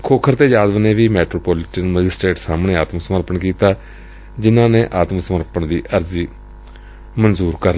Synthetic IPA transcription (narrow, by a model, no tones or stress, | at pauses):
kʰoːkʰəɾt̪eːd͡ʒaːd̪əʋneːʋiːmɛːʈɾoːpɔːlɪʈənməd͡ʒɪsʈeːʈsaːmɳeːaːt̪məsəməɾpəɳkiːt̪aː | d͡ʒɪnãːneːʔaːt̪məsəməɾpəɳd̪iːʔəɾziː | mənzuːɾkəɾ